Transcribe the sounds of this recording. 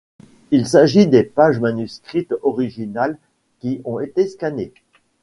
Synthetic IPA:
ilsaʒid̪epaʒmanyskχit̪ɔʁiʒinal | kʲiɔ̃et̪eskane

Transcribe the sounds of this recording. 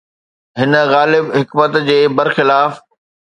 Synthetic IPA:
ɦɪnə̆ɣaːlɪbɦɪkmət̪d͡ʑeːbɐɾxɪlaːf

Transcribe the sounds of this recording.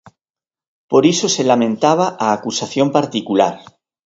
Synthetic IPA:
po̞ɾiso̞selamẽ̞nt̪aβ̞aʔaːkusaθjo̞mpaɾt̪ikulaɾ

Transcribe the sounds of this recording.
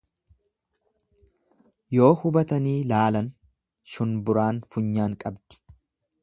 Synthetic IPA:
jo̞ːhʊbɐt̪ɐniːlaːlɐn | ʃʊnbʊɾaːnfʊɲːaːŋkʼɐbd̪̥ɪ̥

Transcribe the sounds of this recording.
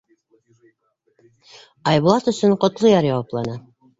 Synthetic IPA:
ɑjβulˠɑt̪ɵ̆sɵɴqŏt̪lˠojɑɾjɑwɑplˠɑnɑ

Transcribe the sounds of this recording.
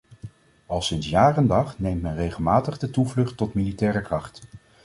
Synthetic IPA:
ɑlˠsɪnsjaːrəndɑχnejmtmɛnrejχəlˠmaːtəχdətuvlɵχtɔtmilitɛːɾəkrɑχt

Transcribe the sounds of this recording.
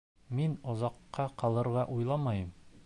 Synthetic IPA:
minɒzɑqːɑqɑlˠɤ̆ɾʁɑʔujlˠɑmɑjɤm

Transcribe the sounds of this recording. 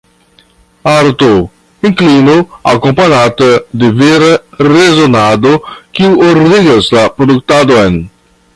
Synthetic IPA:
aɾt̪o | ĩŋklinoa̰kõmpaɲat̪ɐd̪ɪveɾrezonad̪okiwoɾd̪iɡɐzlapɾod̪uk̚t̪ad̪oen

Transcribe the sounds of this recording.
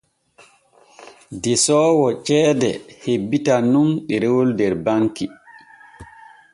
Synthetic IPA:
dɛsɔːwɔt͡ʃɛːdɛ̰hebːitanunɓɛɾewoldɛɾbaŋki

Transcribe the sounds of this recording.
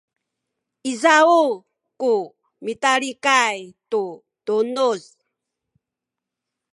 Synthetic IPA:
izau | ku | mitaɾikajtu | d̥unuz

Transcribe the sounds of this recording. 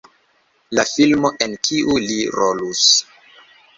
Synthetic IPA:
lafilmoʔenkʰiʔuliɾolus

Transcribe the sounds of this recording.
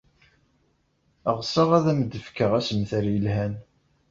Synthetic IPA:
əʁsəʁæðæməd̪ːəfkəʁæsəmθəɾjəlhæn

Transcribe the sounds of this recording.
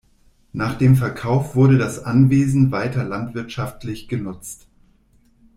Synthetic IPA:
naːχd̥eːmf̬ɛɐkʰaʊfv̥ʊɐɾədasʔanveːzn̩vaɪtɐlantv̥ɪɐtʃaftʰlɪçɡ̥ənʊt͡st

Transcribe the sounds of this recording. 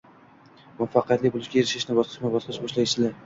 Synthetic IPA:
mafɑqɨjat̪lɪbolˠɪʃɡʲajeɾɪʃɪʃnɪbɒsqʰɨ̥ʃmabɒsqɨʃbɒʃlajʃt͡ʃɪlaɾ

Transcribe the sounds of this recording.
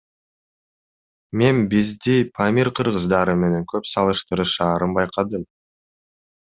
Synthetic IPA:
me̞nbizd̪ipʰamʲiɾqʰɯɾʁɯzd̪ɑɾɯme̞ne̞ŋkʰøpsɑlˠɯʃt̪ɯɾɯʃɑːɾɯnbɑjqʰɑd̪ɯm

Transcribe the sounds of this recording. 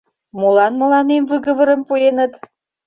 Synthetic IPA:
mulɑnmə̆lɑnemvɨɣə̆βə̆ɾə̆mpuenə̆t̪

